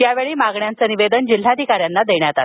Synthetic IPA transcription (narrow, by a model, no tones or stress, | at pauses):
t̪jaʋeɭiːmaɡɳjant͡səːniʋed̪ənd͡ʑil̤ad̪ʱikaɾjanːad̪eɳjat̪at̪